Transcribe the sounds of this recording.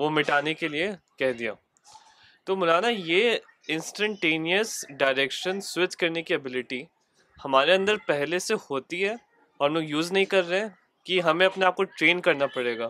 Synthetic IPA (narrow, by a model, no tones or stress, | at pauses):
ʋomɪʈaːnekeliekɛɦd̪ija̰ː | t̪oːmʊlaːnaje | ɪ̃nsʈə̃ɳʈeːniəsɖaːɪɾeːkʃənswɪt͡ʃkɐɾnekiɐbɪlɪʈi | hɐmaːɾeɐ̃nd̪əɾpɛɦlesehoːt̪iɦɛ | ɔːɾmoːɡjuːznɐɦĩkɐɾːeɛ̃ | kiɦɐmẽɐpneaːp̚koʈɾeːnkɐɾnapɐɽeːɡaː